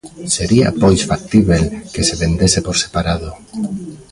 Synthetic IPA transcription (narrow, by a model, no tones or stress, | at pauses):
se̞ɾia̰pojsfak̚t̪iβe̞lke̞se̞βe̞nd̪e̞se̞po̞ɾse̞̥paɾaðo̞